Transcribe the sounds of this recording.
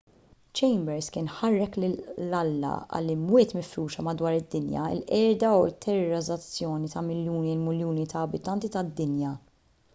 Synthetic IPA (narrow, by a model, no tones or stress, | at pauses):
t͡ʃɛjmbɛɾskɪːnħɐrːɛklɪːɐlːɐ̰ʔɐ̰lːimwɪːt̪mɪfɾuːʃɐmɐd̪wɐːɾɪd̪ːɪnjɐ̰ɪ̰lʔɛːɾd̪ɐuɪt̪ʰːɛɾɾɐzɐt͡sːjɔːnit̪ɐmɪljuːnilmɪljuːnit̪ɐːbɪt̪ɐnt̪it̪ɐd̪ːɪnjɐ